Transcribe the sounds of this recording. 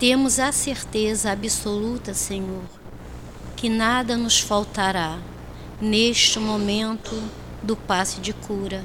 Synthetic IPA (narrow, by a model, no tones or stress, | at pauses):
t̪ẽmʊzɐseɾt̪ezɐabisolut̪ɐseɲoɾ | kɪnad̪ɐnʊsfawt̪aɾa | neʃt͡ʃɪmomẽnt̪ʊ | d̪ʊpasʊd͡ʒɪkʰuɾɐ